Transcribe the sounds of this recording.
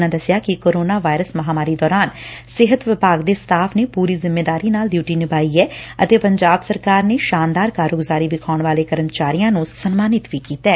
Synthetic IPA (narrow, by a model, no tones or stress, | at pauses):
nãːd̪əsjaːkɪkoːɾoːnaːʋaːɪɾəsmɐɦaːmaːɾiːd̪ɔːɾaːnsɪɦət̪ʋɪpaːɡd̪eːst̪ʰaːpʰneːpuːɾiːzɪmːeːd̪aːɾiːnaːld̪juːʈiːnɪbaːiːɛːət̪eːpəɲd͡ʒaːbsəɾkaːɾneːʃaːnd̪aːɾkaːɾoːɡʊzaːɾiːʋɪkʰaːʊɳʋaːleːkəɾəmt͡ʃaːɾijãːnũsənmaːnɪt̪ʋiːkiːt̪ɛː